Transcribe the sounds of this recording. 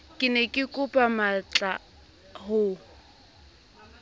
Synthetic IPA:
kʼɪnɛkʼɪkʼʊpʼamat͡ɬʼa | hʊ

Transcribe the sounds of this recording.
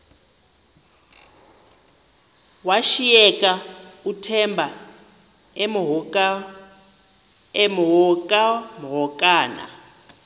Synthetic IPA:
waʃijɛkʼautʰɛmbʱa | emɦɔ | emɦɔkʼamɦɔkʼaːna̰

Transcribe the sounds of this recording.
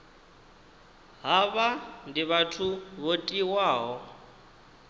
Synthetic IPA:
ɦaβandiβatʰuβotʼiwaːɦɔ

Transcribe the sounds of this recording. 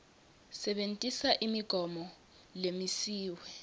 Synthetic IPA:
sɛɓentʼisaʔimiɡ̥ʱɔmɔ | lemisiːwɛ

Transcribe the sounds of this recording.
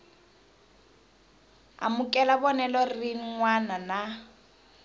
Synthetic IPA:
a̰mʊkʼɛlabɔnɛlɔriŋwanana

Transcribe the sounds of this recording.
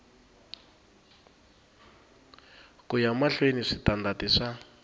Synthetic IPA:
kujamaɬweniʂitandatiʂa

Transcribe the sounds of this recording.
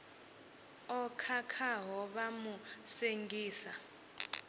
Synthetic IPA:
ɔkʰakʰaɦɔɓamuseŋɡʱiːsa

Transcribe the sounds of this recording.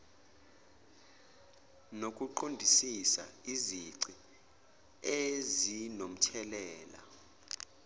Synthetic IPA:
nokʼuǃondʱisisa̰iziǀi | ezinom̩tʰɛlɛːla̰

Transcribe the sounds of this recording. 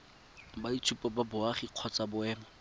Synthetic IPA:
badit͡sʰupɔbabʊaχiq͡χʰɔt͡sabʊɛːma

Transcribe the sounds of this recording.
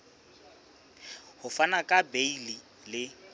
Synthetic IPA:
hʊfanakʼabeili | lɪ

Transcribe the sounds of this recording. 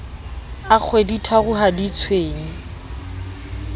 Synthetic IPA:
ak͡xʰweditʰaɣʊɦadit͡sʰweːŋ̩

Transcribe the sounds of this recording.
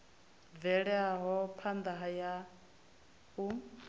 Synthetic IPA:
vɛɺɛaɦɔpʰand̪aɦaja | u

